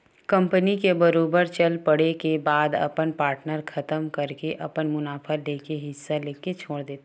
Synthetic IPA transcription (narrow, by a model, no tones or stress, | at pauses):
kɐ̃mpənikebɐɾoːbəɾt͡ʃɐlpɐɽekebaːd̪ɐ̰pənpaːɾʈnəɾkʰɐt̪əmkɐɾkeʔɐpənmʊnaːfʰaleːkeɦɪsːaleːket͡ʃʰoːɽd̪eːt̪a